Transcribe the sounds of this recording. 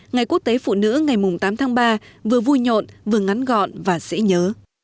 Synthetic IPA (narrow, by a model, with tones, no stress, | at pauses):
ŋa˨˩jku˦˥ək̚t̪e˨˦fṵ˧˨nɨ̰˧˥ŋa˨˩jmʊ˨˩ŋ͡mt̪aː˨˦mt̪ʰaː˨˦ŋɓaː˧vɨ˨˩əvu˧jɲo̰˧˨nvɨ˨˩əŋa˨˦nɣɔ̰˧˨nvaː˨˩sɛ̰˧˥ɲəː˨˦